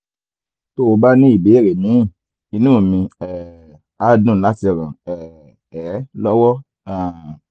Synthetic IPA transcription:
to˦o˧ba˦nĩ˦i˦˨be˨˦˨ɾe˨nĩ˨˦˨ | i˧nũ˦˨mĩ˧ɛ˨ | a˦dũ˦˨la˨˦ti˧˨ɾã˨ɛ˨ | ɛ˨˦lɔ˦wɔ˦ | ã˨

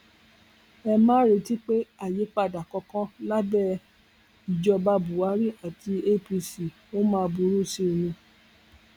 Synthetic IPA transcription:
ɛ˧mãː˦ɾi˧ti˦k͡pe˦a˦˨je˨˦k͡pa˦˨da˨kɔ˧kã˦la˦bɛ˦˨ | i˨d͡ʒɔ˧ba˧bu˨a˨˦ɾi˦ʔa˨ti˧e˦pi˧si˨ | o˦mãː˦˧bu˧˦ɾu˦˨si˧˨nĩ˧

